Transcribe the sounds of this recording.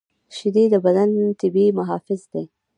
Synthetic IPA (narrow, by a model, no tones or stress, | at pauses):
ʃɪd̪id̪əbad̪ant̪ɪbimaɦɑfɪzd̪e